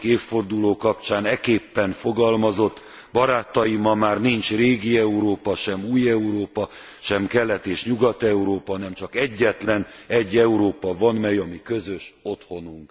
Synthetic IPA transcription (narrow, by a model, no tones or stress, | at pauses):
keːfːo̞rd̪uloːkɒp̚t͡ʃaːnɛkeːpːɛnfo̞ɡɒlmɒzo̞t̪ː | bɒɾaːt̪ɒjimɒmaːrnint͡ʃreːɡiɛuɾoːpɒʃɛmuːjɛuɾoːpɒ | ʃɛmkɛlːɛt̪eːʃɲuɡɒt̪ɛuɾoːpɒnɛmt͡ʃɒkɛɟːɛt̪lɛnɛɟːɛuɾoːpɒvɒnmɛjɒmikø̞zø̞ʃo̞t̪ho̞nuŋk